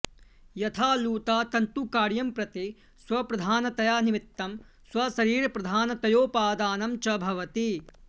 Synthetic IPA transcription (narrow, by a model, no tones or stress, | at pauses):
jɐt̪ʰaːluːt̪aːt̪ɐnt̪ukaːɾjɐmpɾɐt̪i | swɐpɾɐd̪ʱaːnɐt̪ɐjaːnimit̪ːɐm | swɐsɐɾiːɾɐpɾɐd̪ʱaːnɐt̪ɐjoːpaːd̪aːnɐmt͡ʃɐbʱɐʋɐt̪i